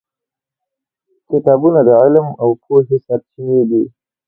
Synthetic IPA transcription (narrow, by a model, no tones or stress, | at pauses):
kɪt̪ɑbunad̪əʕɪlmawpʰoɦɪsat̪̚t͡ʃineɡ̪i